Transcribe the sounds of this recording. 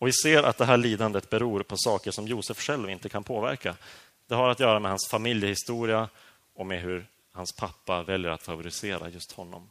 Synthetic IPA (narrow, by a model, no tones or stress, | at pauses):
ɔvɪseːɾʔa̰t̪̚d̪ɛɦæːɭiːd̪and̪ət̪̚bɛɾuːɾpʰɔsɑːkəʂɔmjuːsəfʂɛlvɪnt̪əkʰanpʰoːvæ̰ɾka | d̪̥ɛɦaɾat̪jœːɾamɛhansfamɪljəhɪst̪uːɾɪa | ɔmɛɦɵɾ | hanspʰapːavɛljəɾa̰t̪favʊɾɪseːɾa̰jɵst̪hɔnːɔ̰m